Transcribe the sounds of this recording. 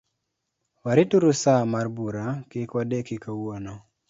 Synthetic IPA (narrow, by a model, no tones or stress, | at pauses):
waɾɪtuɾʊsamarbuɾakɪkwadekikawonɔ